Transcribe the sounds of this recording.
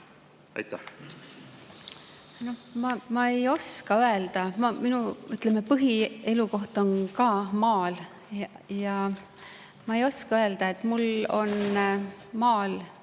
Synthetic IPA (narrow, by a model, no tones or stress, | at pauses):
ɑ̰jt̪ːæ | no̞mɑmɑe̞jo̞skɑøe̞ld̪̥ɑmɑminuyt̪ˑleme̞pɯɦie̞luko̞ht̪o̞nkɑːmɑːl | jɑ | mɑe̞jo̞skɑøe̞ld̪ɑe̞t̪ˑmulo̞̰n | mɑːl